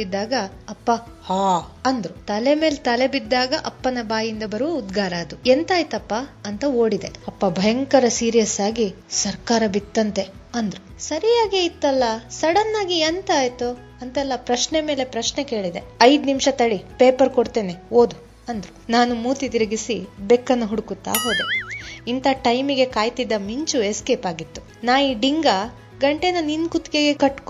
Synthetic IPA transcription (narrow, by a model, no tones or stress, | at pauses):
id̪ːaːɡɐɐpːɐ | haːɐnd̪ɾut̪ɐleme̞ːlt̪ɐlebid̪ːaːɡɐʔɐpːɐnɐbaːjind̪ɐbɐɾuʋuud̪ɡaːɾaːd̪uent̪aːjt̪ɐpːaɐnt̪ɐo̞ːɽid̪e̞ɐpːɐbʱɐjɐŋkɐɾɐsiːɾijɐsaːɡi | sɐɾkaːɾɐbit̪ːɐnt̪e̞ɐnd̪ɾusɐɾijaːɡeit̪ːɐlːɐsɐɽɐnːaːɡient̪aːjt̪u | ɐnt̪ɛlːɐpɾɐʃneme̞ːle̞pɾɐʃneke̞ːɭid̪e̞ɐjd̪nimʃɐt̪ɐɽipeːpɐɾkoɽt̪eːneoːd̪u | ɐnd̪ɾunaːnumuːt̪it̪iɾɐɡisibekːɐnːuɦuɽukut̪ːa̰ːɦo̞ːd̪eint̪ʰɐʈɐjmiɡe̞kaːjt̪id̪ːɐmiɲt͡ʃueske̞ːpaːɡit̪ːu̥ | naːjiːɖiŋɡɐ | ɡɐɳʈenɐninkut̪keɡekɐʈːk